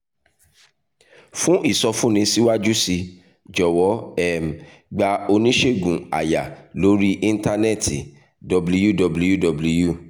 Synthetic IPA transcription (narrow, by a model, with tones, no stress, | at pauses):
fũ˦ʔi˦˨sɔ˧fũ˦nĩ˧si˦wa˦d͡ʒu˦si˧ | d͡ʒɔ˨wɔ˨˦ɛ˦˨m | ɡ͡ba˧o˧nĩ˦ʃe˦˨ɡũ˨a̰˨ja˨lo˨˦ɾi˦ʔĩ˧n˦ta˧nɛ˦˨ti˨ | dɔ˨blu˦ju˦˨dɔ˧˨blu˦ju˦˨dɔ˨blu˧ju˦˨